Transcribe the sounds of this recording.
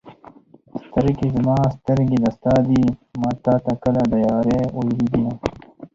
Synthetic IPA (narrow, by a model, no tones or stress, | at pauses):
st̪ɐɾkizɐmɑːst̪ɐɾɡid̪ɐst̪aːd̪imɑːt̪aːt̪akɐlad̪ɐjaːɾeojɾid̪ijã